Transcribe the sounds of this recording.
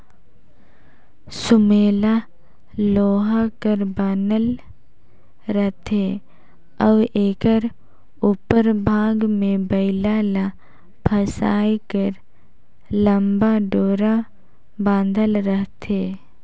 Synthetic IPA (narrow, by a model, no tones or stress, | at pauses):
sʊmeːla | loːɦakəɾbaːnəl | ɾəɦt̪e | əʋeːkəɾ | upəɾbʱaːɡmẽbəɪlaːla | pʰəsaːjkəɾ | ləmbaɖoːɾa | bãːnd̪ʱəlɾəɦt̪ʰeː